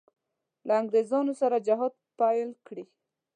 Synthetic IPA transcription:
laaŋɡɾezɑnosaɾad͡ʒaɦɑd̪̚pajlkɽi

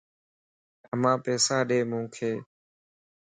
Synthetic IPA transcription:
əmãːpeːsaːɗeːmũːkʰeː

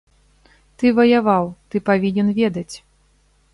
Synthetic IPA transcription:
t̪ɨvɐjavawt̪ɨpavʲinʲɛnvʲɛd̪ɐt͡sʲ

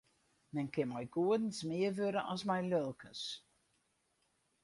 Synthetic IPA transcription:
mɛnkɪnmɛjɡuədn̩smɪərʋøɾəʔɔsmɛjlølˠkʰəs

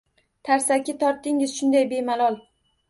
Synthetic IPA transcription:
t̪ʰaɾsakʲɪt̪ʰɒɾt̪ːɪŋɪzʃʊnd̪ajbe̞malˠɒlˠ

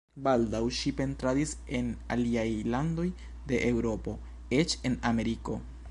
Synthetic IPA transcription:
baldawʃipe̞ntɾadise̞na̰liajlando̞j | de̞ʔewɾo̞po̞ | e̞t͡ʃe̞name̞ɾiko̞

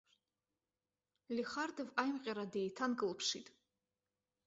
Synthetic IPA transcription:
liχaɾd̪ɛvajmqʼɛɾad̪ɛjt̪ʰanɡɨlˠpʰʂit̪ʰʼ

